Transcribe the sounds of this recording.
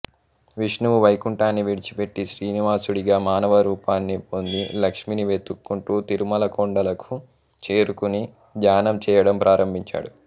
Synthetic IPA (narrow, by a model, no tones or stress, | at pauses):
ʋiʂnuʋuʋɐjkuɳʈaːnːiʋiɽit͡ʃi̥pe̞ʈːiʃɾiːniʋaːsuɽiɡaːmaːnɐʋɐɾuːpaːnːipo̞nd̪ilɐkʂminiʋe̞t̪ːukːuɳʈuːt̪iɾumɐlɐkoɳɖɐlɐku̥ | t͡ʃe̞ːɾukuni | d̪jaːnɐmt͡ʃɛːjɐɽɐmpɾʔaːɾɐmbʱiɲt͡ʃa̰ːɽu